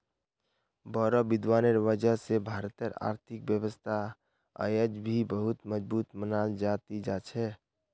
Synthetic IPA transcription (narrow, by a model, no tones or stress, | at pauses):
bəɾəbɪd̪waːneɾʋəd͡ʒəɦsebʱaɾt̪əɾa̰ːɾt̪ʰɪk̚bjəwəst̪ʰa̰ | jəd͡ʒbʱibəɦʊt̪məd͡ʒbuːt̪mənald͡ʒat̪id͡ʒat͡ʃʰɛ